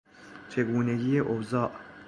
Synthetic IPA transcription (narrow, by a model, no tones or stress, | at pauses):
t͡ʃʰe̞ɡuːne̞ɡiːjeʔozɒːʔ